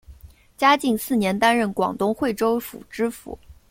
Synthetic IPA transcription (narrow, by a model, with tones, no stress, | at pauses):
t͡ɕja˥t͡ɕi˥˧ŋsɹ̩˥˩njɛ˧˥nt̪a˥nɻə˥˩nkwɑ̰˨˩ŋt̪ʊ˥ŋxwe˥˩ɪʈ͡ʂo˥ʊfṵ˨˩ʈ͡ʂɻ̩˥fṵ˧˥˦